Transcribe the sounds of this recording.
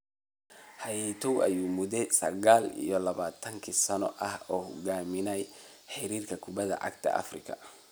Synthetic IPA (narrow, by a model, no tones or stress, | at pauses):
hɐjɛt̪ʰɔwʔɐ̰juːmʊðɛsɐɣaːlḭjɔlɐβaːt̪ʰɐŋkʰiːsɐnɔʔɐhɔːhʊɡaːmɪnɛj | ħɪɾiːrkʰɐkʰʊβɐðɐ̰ʕɑ̰ɡt̪ʰɐ̰ʔɐ̰frɪkʰɐ̰